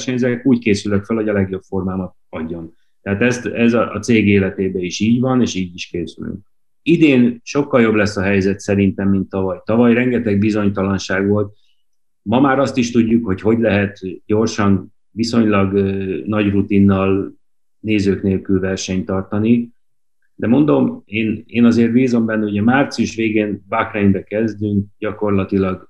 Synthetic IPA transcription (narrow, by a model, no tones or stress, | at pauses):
ʃɛɲzɛkuːckeːsylːɛkfølho̞ɟɒlɛɡjo̞bfo̞rmaːmɒt̪̚ | ɒɟːo̞n | t̪ɛɦaːt̪ɛst̪ɛzɒɒ̰t̪seːɡeːlɛt̪eːbɛiʃiːɟvɒneːʃiːɟiʃkeːsyly̰ŋk̚ | id̪eːnʃo̞kːɒljo̞blɛsːɒɦɛjzɛt̪sɛɾint̪ɛmːint̪ːɒvɒjt̪ɒvɒjrɛŋɡɛt̪ɛɡ̚bizo̞ɲt̪ɒlɒnʃaːɡʋo̞lt̪̚ | mɒmaːɾɒst̪iʃt̪uɟːukho̞cho̞ɟlɛɦɛt̪ɟo̞rʃɒn | viso̞ɲlɒɡnɒɟrut̪inːɒl | neːzøːkneːlkylvɛrʃɛɲt̪ɒrt̪ɒni | d̪ɛmo̞nd̪o̞meːneːnɒzeːrt̪biːzo̞mbɛnːɛuɟɛmaːrt̪sijuʃʋeːɡeːnvakrɛnbɛkɛzd̪yŋk̚ɟɒko̞rlɒt̪ilɒɡ